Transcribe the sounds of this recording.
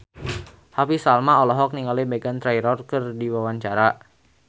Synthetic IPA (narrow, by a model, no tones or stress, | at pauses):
hapisalmaɔlɔɦɔk̚niŋalibeɡant̪ɾajɾɔrkɨrdiwawaɲt͡ʃaɾaʔ